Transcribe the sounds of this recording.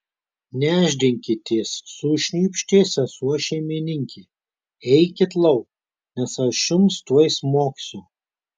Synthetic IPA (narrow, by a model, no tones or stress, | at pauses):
nʲæːʒʲd̪ʲɪŋʲkʲɪt̪ʲeːsːuʃʲnʲiːpʲʃʲt̪ʲeːsʲɛsuɔʃʲɛɪmʲɪnʲɪŋʲkʲiː | ɛɪkʲɪt̪lˠɐʊk | nʲɛsɐʃʲʊmst̪uɔjsmoːksʲʊ